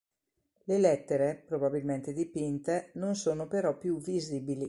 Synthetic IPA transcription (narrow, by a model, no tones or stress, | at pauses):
lelɛt̪ːeɾepɾobabilment̪ed̪ipint̪enonsoːnopeɾɔpːjuviziːbili